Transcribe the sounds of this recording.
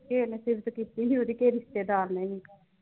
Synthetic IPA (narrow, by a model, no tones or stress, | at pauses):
keːnesɪɾʋt̪okiːt̪iːnioːd̪iːkeːɾɪst̪eːd̪aːlneːĩ